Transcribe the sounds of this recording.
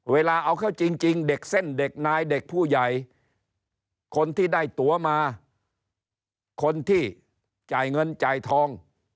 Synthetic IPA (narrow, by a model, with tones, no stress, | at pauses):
weː˧laː˧ʔa˧wkʰaː˥˩wt͡ɕi˧ŋt͡ɕi˧ŋde˨˩k̚se˥˩nde˨˩k̚naː˧jde˨˩k̚pʰuː˥˩ja˨˩j | kʰo˧nt̪ʰiː˥˩daː˥˩jt̪u˨˩˦ɐmaː˧ | kʰo˧nt̪ʰiː˥˩ | t͡ɕaː˨˩jŋɤ˧nt͡ɕaː˨˩jt̪ʰɔː˧ŋ